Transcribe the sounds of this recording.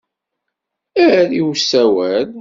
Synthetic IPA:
æɾiwsːæwæl

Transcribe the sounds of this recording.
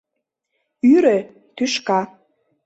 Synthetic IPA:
yɾe | t̪yʃkɑ

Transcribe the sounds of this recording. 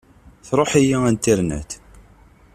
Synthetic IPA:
θɾˤoħijiænt̪ːiɾnæ̰t̪

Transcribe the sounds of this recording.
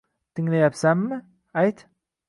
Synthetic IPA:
t̪ʰɪŋlajapsamːɪ | ajt̪

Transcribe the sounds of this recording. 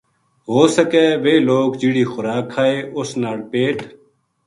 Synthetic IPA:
ɦoːsəkeːʋeːloːkd͡ʒiɽiːxʊɾaːkʰːaːeːʔʊsnaːɽpeːʈ

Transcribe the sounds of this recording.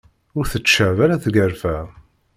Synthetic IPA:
ʊɾθət͡ʃːəʕvæɾæθɡəɾfæ

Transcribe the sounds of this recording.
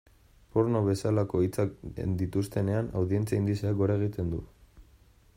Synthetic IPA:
poɾnoβe̞salako̞it͡sa̰nd̪it̪ust̪e̞ne̞ana̰wðie̞nt͡siaind̪iseaɡo̞ɾaeɣit̪e̞nd̪u

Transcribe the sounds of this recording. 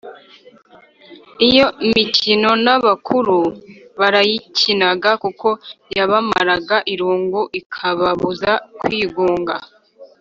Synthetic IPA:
ijo̞micʰino̞naβakʰuɾuβaɾajicʰinaɡakukʰo̞jaβama̰ɾaɡaʔiɾuːŋɡuʔikʰaβaβuzakwiːɡuːŋɡa̰

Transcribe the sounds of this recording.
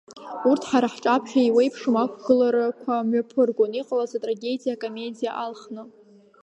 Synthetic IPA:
urtʰħaɾaħʈ͡ʂʼapʰχʲᶣaiwejpʰʂɨmakʷʰɡɨlaɾakʷʰamɥapʰɨrɡʷoniqʼalazatʼraɡʲe̞dʲijakʼome̞dʲijaʔalχnɨ

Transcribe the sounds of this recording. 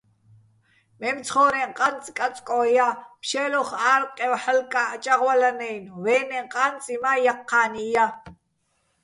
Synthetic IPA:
mɛmt͡sʰχɔːɾɛŋqʼant͡sʼkʼat͡sʼkʼɔːjapʃɛlɔχaːɾqʼɛwħalkʼaːt͡ʃʼaʁwalanɛjnwɛːnɛqʼant͡sʼimajaqʰːaːnija

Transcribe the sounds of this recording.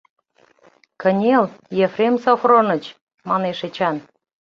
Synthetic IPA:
kənʲeljefremsofronə̆t͡ɕ | mɑneʃet͡ɕɑn

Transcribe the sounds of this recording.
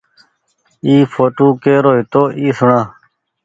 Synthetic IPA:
iːfoːʈuːkeːɾoːit̪oːʔiːsʊɳãː

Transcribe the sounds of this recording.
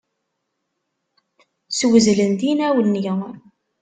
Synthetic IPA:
swəzlənd̪inæwlnjə

